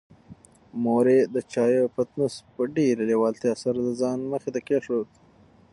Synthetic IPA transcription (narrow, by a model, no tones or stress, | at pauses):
moɾed̪ət͡ʃɑːjopat̪nuspəɖeɾelewɑlt̪iasaɾd̪əzɑːnməxet̪akeʂod̪